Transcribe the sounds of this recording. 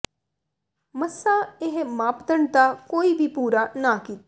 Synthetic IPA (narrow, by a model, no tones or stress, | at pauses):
məsːaeɦmaːpd̪əɳt̪akoːibʱipuːɾanakiːt̪